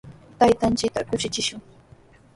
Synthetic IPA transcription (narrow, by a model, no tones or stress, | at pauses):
t̪ajt̪ant͡ʃɪkt̪akʊʃɪt͡ʃɪʃʊŋ